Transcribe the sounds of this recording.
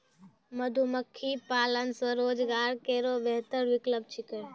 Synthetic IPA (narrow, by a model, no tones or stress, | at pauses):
məd̪ʱuməkʰːipaːlənsə̃ɾoːd͡ʒɡaːɾkeːɾobeɦt̪əɾʋɪkləb̚t͡ʃʰikəɾ